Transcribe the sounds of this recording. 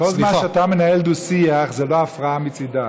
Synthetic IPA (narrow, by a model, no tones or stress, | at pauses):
kolˠzmmaatamenaɛld̪usiaχzɛloafʁaamit͡sida